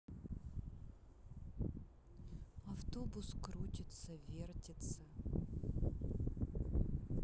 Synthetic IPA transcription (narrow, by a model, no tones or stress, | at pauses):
ɐft̪obʊskɾutʲɪt̪səvʲertʲɪt̪sə